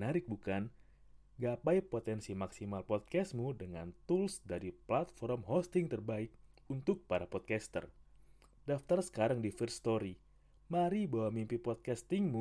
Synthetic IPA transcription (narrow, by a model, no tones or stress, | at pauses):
naɾɪk̚bukan | ɡapajpot̪ɛnsimaksimalpɔt̪̚kɛsmudəŋa̰nt̪ulsdaɾiplat̪̚fɔɾrmɦɔst̪ɪŋt̪ərbaɪk̚unt̪ʊk̚paɾapɔt̪̚kɛst̪ə̰r | daft̪arsə̥kaɾaŋdifərst̪oɾi | maɾibawamimpipɔt̪̚kast̪ɪŋmu